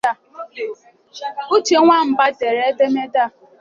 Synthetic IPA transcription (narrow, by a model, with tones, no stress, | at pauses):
a˦˨ | u˦t͡ʃe˦ŋʷa˦m̩˨ba˦te˨ɾe˦de˦me˦da˦˨